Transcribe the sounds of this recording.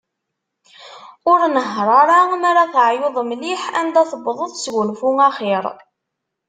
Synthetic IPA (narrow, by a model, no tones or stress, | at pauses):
ʊɾnəɦɾˤɑɾˤɑmaɾaθəʕjʊðˤmliħænd̪æθəbːəðˤəðˤswəlfuŋæχiɾˤ